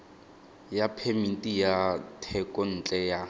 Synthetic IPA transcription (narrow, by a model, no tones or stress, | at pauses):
japʰemintʼijatʰɛkʼɔn̩t͡ɬʼɛja